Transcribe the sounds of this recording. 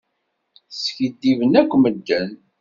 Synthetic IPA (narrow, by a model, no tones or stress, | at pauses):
sçid̪ːivənækʷːməd̪ːən